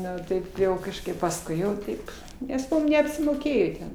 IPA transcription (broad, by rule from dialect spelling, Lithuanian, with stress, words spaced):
ˈnʊ ˈtɐɪp jɛʊ kɐʃˈkɐɪp pɐsˈkʊɪ jɛʊ ˈtɐɪp nʲɛs ˈmʊm nʲɛɐpʲsʲɪmoːˈkʲeːjoː tʲɛn